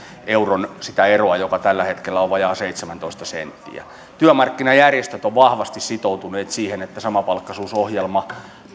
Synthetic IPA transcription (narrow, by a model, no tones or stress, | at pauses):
euronsi̥t̪æeroɑjokɑt̪ælːæhet̪kelːæoʋʋɑjɑːseit̪semænt̪oist̪ɑsḛnt̪ːḭæ̰ | t̪yømɑrkːinɑjærjest̪øt̪oʋʋɑhʋɑst̪issit̪out̪uneːt̪siːhenet̪ːæsɑmɑpɑlkːɑsuːsohjelmɑ